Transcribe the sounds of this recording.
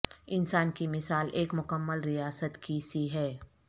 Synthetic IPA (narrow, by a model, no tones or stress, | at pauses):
ɪnsaːnkimɪsaːlʔeːkmʊkəmːəlɾijaːsət̪kisiɦɛː